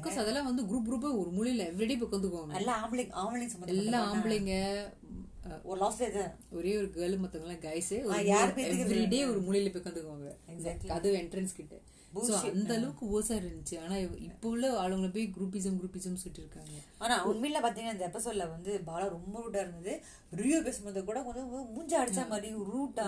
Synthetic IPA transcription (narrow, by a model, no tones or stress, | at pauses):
kːɐsɐðɛlːãːʋɐnd̪ɯɡɾuːp̬̚ɡɾuːp̬ːẽɔɾɯmʊɭɪɪlɛʋɾɪɽeːp̬ɛkːɐ̃nd̪ɯkːɯʋaːŋɡɐɛlːãːmblɪŋɡaːmlɪŋsɐmːɐnɛlːãːaːmbɪɭɪŋɡɐ | ɔlɔːseðɯ | ɔɾeːɔɾɯɡɐːlmɐt̪ːɐŋɡɐlːãːɡɐjɪsɯɔɾjaːɾɾpɐɛʋkːɾiɖeːɔɾɯmʊɭɪjɪlɐpːɛkːɐnd̪ɯkːɯʋaːŋɡɐkɐðɯɛɳʈɾɐnskɪʈːɐ | buːsoːɐnd̪ɐɐɭɐʋɯkːɯoːsaːɪɾɐnd͡ʒ̪ɪt͡ʃːɯaːnaːɪpːoʋɐlːɐaːlɯŋɡɐɭɐp̬oːjɡɾuːp̬iːs̬ɐmɡɾuːpiːsɐmsʊʈːɪɾɯkːaːŋɡɐaːnaːɐʋɐŋɡɐmiːʈlɐpaːɾt̪̬iːŋɡɐnaɪnd̪ɐɛpːɐsɔlːɐʋɐnd̪ɯbaːlɐ̃ɾɔmbɐɾuːʈ̬aːɪɾɯnd̪ɐðɯ | ɾijoːpeːsɯmɐɾnd̪ɐkuːɽɐkɔnd̪ɯmʊɲd͡ʒɐ̃ɐɽɪt͡ʃːaːmaːd̪ɾiɾuːʈːa